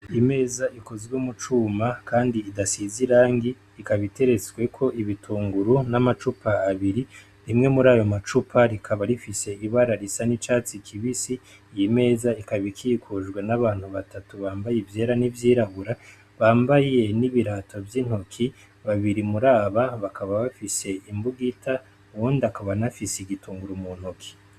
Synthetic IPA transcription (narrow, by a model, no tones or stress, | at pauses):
ime̞ːzaʔiko̞zɡweumut͡ʃuːmakʰaːndiːdasiziɾaːŋɡi | ikaβite̞ɾe̞t͡sɡwe̞kʰo̞ʔiβitʰuːŋɡuɾunamat͡ʃupʰaːβiɾi | ɾimŋe̞muɾaːjo̞mat͡ʃupʰaɾikʰaβaɾifise̞iβaɾaɾisanit͡ʃaːt͡sikʰiβisi | jime̞ːzaikaβikʰikʰuʒɡwenaβaːn̥huβatatuβaːmbajivje̞ːɾanivjiːɾaβuɾa | βaːmbaje̞niβiɾatʰo̞vjin̥hokʰi | βaβiɾimuɾaːβaβakʰaβaβafise̞imbuɡita | uwundiakaβanafiseiɡituːŋɡuɾumun̥hokʰi̥